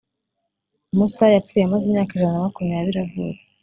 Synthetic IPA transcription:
musajafuːjeamazimɲaːkaiʒananamakumɲaːβiɾiavṵːt͡se̥

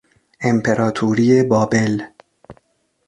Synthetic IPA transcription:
ʔempʰeɾʔɒːt̪ʰuːɾiːebɒːbel

